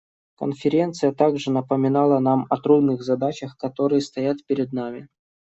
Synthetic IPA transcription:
kə̰nfʲɪɾʲe̞nt̪sɨjət̪aɡʐɨnəpəmʲɪnalˠənamɐt̪ɾud̪nɨɣzɐd̪at͡ɕəxkɐt̪o̞ɾɨjəst̪ɐjat̪pʲɪɾʲɪd̪namʲɪ

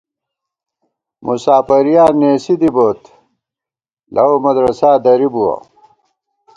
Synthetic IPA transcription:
mʔusaːpɐɾijaːneːsid̪iboːt̪ | lʔɐomɐd̪ɾɐsaːd̪ɐɾibuwɐ̰

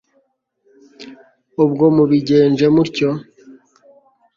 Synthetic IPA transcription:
ub̚ɡomuβiɟe̞ːnʒe̞muɾco

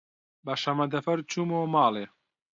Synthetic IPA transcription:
bɐʃɐmɐd̪ɐfɐɾt͡ʃʰuːmoːmaːleː

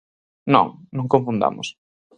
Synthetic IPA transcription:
nɔ̰̃ŋnõŋkõɱfund̪a̰mʊs

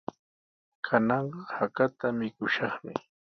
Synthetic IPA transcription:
kʰanɑɴɢɑhakat̪amɪkʊʃɑχmɪ̰

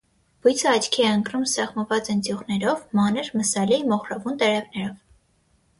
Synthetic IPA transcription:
v̥ujt͡sʰəɑt͡ʃʰkʰiɛəŋkrumsɛχməvɑt͡sənt͡s̪juʁnɛɾɔvmɑnəɾməsɑlimɔχɾɑvunt̪ɛɾɛvnɛɾɔv

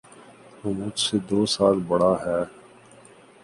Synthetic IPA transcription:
oːmʊd͡ʒsed̪oːsaːlbəɽaːɦɛː

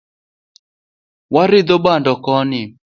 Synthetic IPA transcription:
waɾɪd̪obandɔkɔnɪ

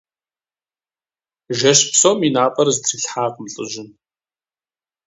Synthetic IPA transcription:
ʒɐʃpsoːminaːpʼɐrzɨtʰriːɬħaːqəmɬʼɨ̰ʑɪn

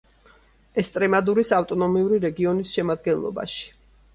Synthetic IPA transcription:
ɛst̪ʼɾɛmad̪uɾisaft̪ʼɔnɔmiuɾiɾɛɡiɔnisʃɛmad̪ɡɛnlˠɔ̰ba̰ʃi̥

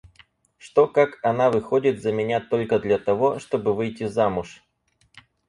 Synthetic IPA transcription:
ʂt̪o̞kakɐnavɨxodʲɪt̪zəmʲɪnʲat̪o̞lʲkəd̪lʲɐt̪ɐvo̞ʂt̪o̞bɨvɨjtʲizamʊʂ

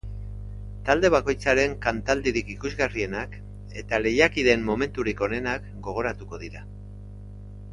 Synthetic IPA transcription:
t̪ald̪e̞β̞ako̞jt͡saɾe̞ŋkant̪ald̪iɾikikuzɣarie̞nak | e̞t̪ale̞jakiðe̞mmo̞me̞nt̪uɾiko̞ne̞nakɡo̞ɣ̞o̞ɾat̪uko̞ðiɾa

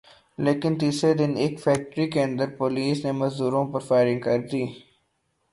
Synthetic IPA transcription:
leːkɪnt̪iːsed̪ɪneːkfɛːk̚ʈɾikeə̃nd̪əɾpoːliːsnemɐzd̪uːɾõpɐɾfaːɪɾɪ̃ŋɡkɐɾd̪iː

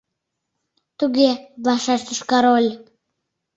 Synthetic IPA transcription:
t̪uɡeβlɑʃɑʃt̪ə̆ʃkɑɾolʲ

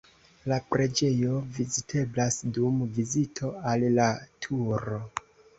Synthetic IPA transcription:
lapɾe̞d͡ʒe̞jo̞vizitʰe̞blasdumvizitʰo̞allatʰuɾo̞

